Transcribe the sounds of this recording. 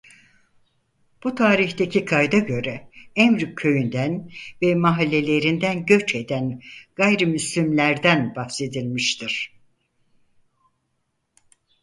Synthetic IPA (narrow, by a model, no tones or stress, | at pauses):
b̥ut̪ʰaːɾiçt̪e̞cʰikʰajd̪aɟø̞ɾɛɛmɾcʰø̞jynd̪ænvɛmaɦalʲːe̞lʲe̞ɾind̪ænɟø̞t͡ʃe̞d̪ænɡ̥ajɾimyslʲymlʲæɾd̪ænbafse̞d̪ilʲmiʃt̪ʰiɾ̥